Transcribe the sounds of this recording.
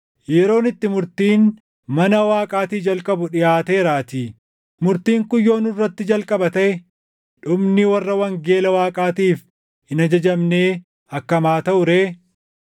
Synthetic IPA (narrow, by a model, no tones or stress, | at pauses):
jɛɾo̞ːnɪt̪ːɪmʊɾt̪iːn | mɐnɐwaːkʼaːt̪iːd͡ʒɐlkʼɐbʊᶑɪjaːt̪eːɾaːt̪iː | mʊɾt̪iːŋkʊjːo̞ːnɪrːɐt̪ːɪd͡ʒɐlkʼɐbɐt̪ɐʔɛ | ᶑʊmnɪwɐrːɐwɐŋɡeːlɐwaːkʼaːt̪iːf | hɪnɐd͡ʒɐd͡ʒɐmne̞ː | ɐkːɐmaːt̪ɐʔʊɾeː